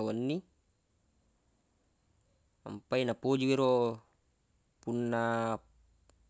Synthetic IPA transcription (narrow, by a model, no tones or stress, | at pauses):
wanːi | a̰mpainapod͡ʒuiɾo | punːa